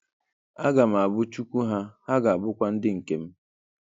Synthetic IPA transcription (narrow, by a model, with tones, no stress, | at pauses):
a˦ɡa˨m˨a˨bʊ˦t͡ʃu˦kʷu˦ɦa˦ha˦ɡa˨a˨bʊ˦kʷa˦n̩˦dɪ˦ŋ̩˨ke˨m̩˦